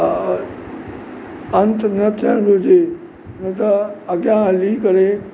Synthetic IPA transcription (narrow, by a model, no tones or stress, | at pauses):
ənt̪nət̪ʰaɡud͡ʑe | nət̪əːɡjãlikəɾe